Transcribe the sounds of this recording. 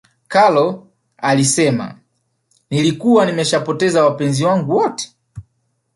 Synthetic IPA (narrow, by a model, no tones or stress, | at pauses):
kalɔ | alisɛma̰ | nilikuwanimɛʃapɔtɛzawapɛnziwaŋɡuwɔtɛ̥